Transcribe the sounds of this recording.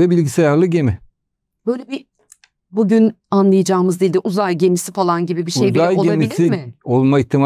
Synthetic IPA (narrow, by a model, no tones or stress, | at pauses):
ɛbilʲɟisejaɾlˠɯɟemɪ | b̥ø̞jlʲebi | buɟynanlˠɯjad͡ʒaːmɯzd̪ilʲd̪iʔuzajɟe̞misifalˠanɟibibiʃejb̪iajolɟeamilʲiimɪolˠmaiçt̪ʰima